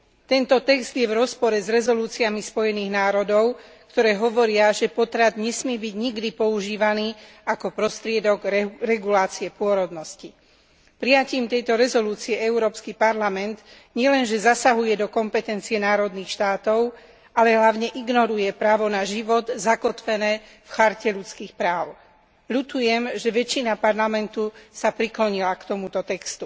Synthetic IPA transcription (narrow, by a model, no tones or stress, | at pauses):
t̪ɛnt̪ɔt̪ɛɡzd̪jɛvɾɔspɔɾɛzɾɛzɔluːt͡siamispɔjɛniːɣnaːɾɔd̪ɔʊ | kt̪ɔɾɛːɦɔʋɔɾɪaʒɛpɔt̪ɾad̪ɲɛsmɪɛbiɟɲiɡd̪ipɔuʒiːʋaniː | akɔpɾɔst̪ɾɪɛd̪ɔɡɾɛɡulaːt͡siɛpʊɔɾɔd̪nɔsci | pɾijaciːmt̪ɛjt̪ɔɾɛzɔluːt͡siɛɛʊuɾɔːpskipaɾlamɛnd̪ | ɲɪɛlɛnʒɛzasaɦujɛd̪ɔkɔmpɛt̪ɛnt͡siɛnaːɾɔd̪nixʃt̪aːt̪ɔʊ | alɛɦlaʊɲɛʔiɡnɔɾujɛpɾaːʋɔnaʒiʋɔd̪zakɔt̪ʋɛnɛː | fxaɾcɛʎut͡skiːxpɾaːʊ | ʎut̪ujɛmʒɛʋɛt͡ʃinapaɾlamɛnt̪usapɾiklɔɲilakt̪ɔmut̪ɔt̪ɛkst̪u